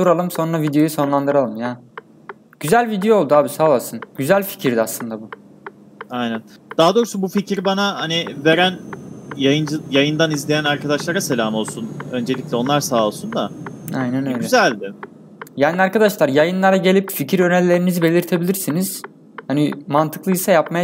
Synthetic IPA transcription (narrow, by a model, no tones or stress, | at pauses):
suɾalˠɯmso̞nɾavid̪ejo̞juso̞nlˠand̪ɯɾalˠɯmjaː | ɟ̥yzælʲvid̪ejoolˠd̪uaːbisaːlˠasɯnɟyzælʲfi̥cʰiɾd̪ɛaslˠɯnd̪abu | ajnæn | d̪̥aɦad̪o̞ːɾusubuficʰiɾbanahanive̞ɾænjajɯnd͡ʒɯjajɯnd̪anizlʲejænaɾkad̪aʃlˠaɾase̞lʲaːmo̞lˠsunø̞nd͡ʒe̞lʲiclʲɛo̞nlˠaɾsaːolˠsund̪aa̰jnænø̞jlyɛzælʲd̪ɪ | jajnʲaɾkad̪aʃlˠaɾjajɯnlˠaɾaɟe̞lʲipficʰiɾø̞nɛlʲːe̞ɾinizibe̞lʲiɾt̪ʰe̞bilʲiɾsiniz̥ | hanimant̪ʰɯklˠɯisajap̚maja